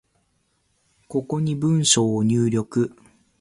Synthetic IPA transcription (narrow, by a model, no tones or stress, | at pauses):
ko̞ko̞ɲ̟ibɯ̃ɰ̃ɕoːɲ̟ɨːɾʲo̞kɯ